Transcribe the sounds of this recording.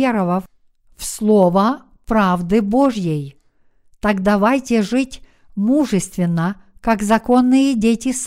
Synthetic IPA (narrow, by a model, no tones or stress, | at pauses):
eɾəvɐf | fslˠovə | pɾavd̪ɨboʐjej | t̪aɡd̪ɐvajtʲɪʐɨtʲ | muʐɨst̪vʲɪnːə | kakzɐko̞nːɨjədʲetʲɪs